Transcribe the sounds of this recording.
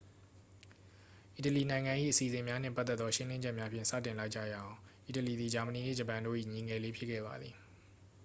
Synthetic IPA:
ʔi˨təli˨nã˨ɪ̃ŋã˨ʔḭ˦˨ʔəsi˨zɪ̃˨mja˦n̥ɛ̰̃˦˨pa˦t̪ɛ˦t̪t̪ðɔ˦ʃɪ̃˦lɪ̃˦ɲd͡ʑɛ˦ʔmja˦pʰjɪ̃˦˨sä̰˦˨tɪ̃˨nla˦ɪʔt͡ɕa̰˦˨jã˨ʔi˨təli˨d̪i˨d͡ʑa˨mə˨ni˨nḛ˦˨d͡ʑə˨pã˨ndo̰˦˨ʔḭ˦˨ɲi˨ŋɛ˨le˦pʰjɪ˦kʰːɛ̰˦˨ba̰˨d̪ði˨

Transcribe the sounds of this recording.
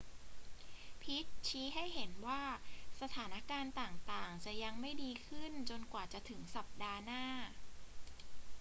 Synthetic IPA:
pʰi˦˥t̪̚t͡ɕʰiː˦˥ɦa˥˩jɦe˩˦nwaː˥˩sa˧t̪ʰaː˩˦na˦˥kaː˧nt̪aː˨˩ŋt̪aː˨˩ŋt͡ɕa˨˩ja˧ŋma˥˩jdiː˧kʰɯ˥˩nt͡ɕo˧nkwaː˨˩t͡ɕa˨˩t̪ʰɯ˩˦ŋsa˨˩p̚daː˧naː˥˩

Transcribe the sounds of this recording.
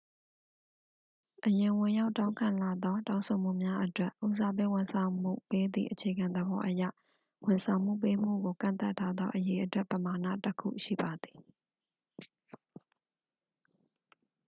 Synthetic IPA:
ʔəjɪ̃˨wʊ̃˨ja˦ʊʔtːã˦ʊ̃ŋkʰã˨la˨d̪ɔ˦tã˦ʊ̃sʰo˨m̥ṵ˦˨mja˦ʔətwɛ˦ʔʔu˨za˨bḛ˦˨wʊ̃˨nsʰã˨ʊ̃m̥ṵ˦˨pe˦d̪ḭ˦˨ʔət͡ɕʰe˨ɡã˨nd̪əbɔ˦ʔəjä̰˦˨ | wɪ̃˨nsʰã˨ʊ̃m̥ṵ˦˨pe˦m̥ṵ˦˨ɡo˨kã̰˦˨nt̪a˦˨tʰːa˦d̪ɔ˦ʔəje˨ʔətwɛ˦ʔpəma˨na̰˦˨təkʰṵ˦˨ʃḭ˦˨ba˨d̪ði˨

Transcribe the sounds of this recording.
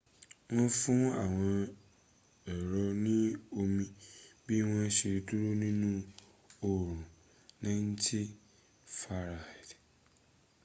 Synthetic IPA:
wɔ̃˦fʊ̃˦a˨wɔ̃˨ | ɛ˨ɾɔ˦nĩ˦o˦mĩ˦bi˦wɔ̃˦ɕi˨ɾtʰu˦ɾo˦nũ˦nũ˦ | o˨ɾũ˨ | nã˦n̩˦tʰɪ˦ | fa˨ɾa˨d

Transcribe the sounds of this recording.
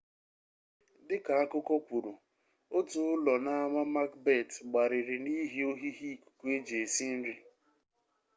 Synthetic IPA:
dɪ˦ka˨a˦kʊ˦kɔ˦kʷu˨ɾu˨ | o˦tʊ˨ʊ˦lɔ˨na˦a˦ma˦ma˦kbe˦˨tɡ͡ba˨ɾɪ˨ɾɪ˨ni˦ɦi˦o˦ɦi˦ɦi˦˨ku̥˨kʷu˦e˦d͡ʒe˨e˨si˦n̩˦ɾi˦

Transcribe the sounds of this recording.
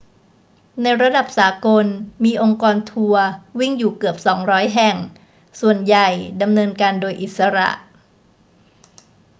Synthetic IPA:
na˧jɾa˧da˨˩p̚saː˩˦ko˧nmiː˧ʔo˧ŋkɔː˧nt̪ʰu˧ɐwi˥˩ŋjuː˨˩kɯ˨˩əp̚sɔː˩˦ŋɾɔː˦˥jɦɛ˨˩ŋ | su˨˩ənja˨˩jda˧mnɤː˧nkaː˧ndoː˧jʔi˨˩t̪̚sa˧ɾa̰˨˩ʔ

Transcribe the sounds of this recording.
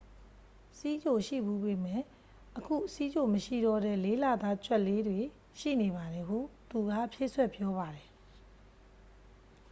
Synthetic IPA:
si˦d͡ʑo˨ʃḭ˦˨bu˦be˨mɛ˦˨ | ʔəkʰṵ˦˨si˦d͡ʑo˨məʃḭ˦˨dɔ˦˨dɛ̰˦˨le˦la˨d̪a˦t͡ɕwɛ˦ʔlːe˦dwe˨ | ʃḭ˦˨ne˨βa˨ðɛ˨ɦṵ˦˨t̪u˨ɡa̰˦˨ʔpʰje˦˨swɛ˦˨pjɔ˦βa˨dɛ˨

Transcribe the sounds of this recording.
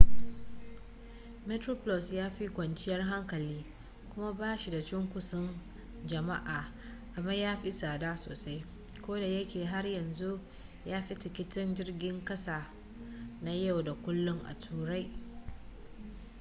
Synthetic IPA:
me˦tɾo˦plɔ˨sjaː˦ɸi˦kʷɐ˨nt͡ʃɪ˦jɐ˦rɦa˦ŋkɐ˨liː˦ | kʷʊ˦ma˦baː˦ʃi˨da˨t͡ʃɪ˦ŋkʷʊ˨sʊ˦n | d͡ʒɐ˨ma˦ʔaː˨ | ʔa˨bɐ˦ɲjaː˦ɸi˦saː˨daː˦so̰ː˨sa˦j | kʷoː˦da˨jɐ˦kʲeː˨ɦa˦rjɐ˨nzu˦ʔ | jaː˦ɸi˦tɪ˨kʲɪ˦tɪ˦nd͡ʒɪ˦rɡʲɪ˦ŋkɐ˦sa˨ | na˦ja˦˨wda˨kʷʊ˦lːʊ˦ŋʔa̰˨tʰuː˨ɽa˦j

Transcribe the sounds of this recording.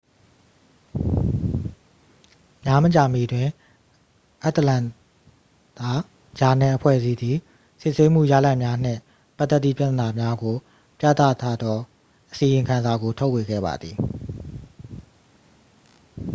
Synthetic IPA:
mja˦mə˨t͡ɕa˨mi˨dwɪ̃˨ | ʔa˦ʔt̪əlã˨ | t̪a˨ | d͡ʑa˨nɛ˨ʔəpʰwɛ̰˦˨zi˦d̪ði˨ | sɪ˦ʔse˦m̥ṵ˦˨ja̰˦˨la˦ɪʔmja˦n̥ɪ̰̃˦˨ | pa˦t̪ːɛ˦t̪ːðḭ˦˨pja˦t̪əna˨mja˦ɡo˨ | pja̰˦˨t̪a̰˦˨t̪ʰa˦d̪ðɔ˦ | ʔəsi˨jɪ̃˨ŋkʰã˨nza˨ɡo˨tʰo˦ʊʔwe˨ɡɛ̰˦˨ba̰˨d̪ði˨

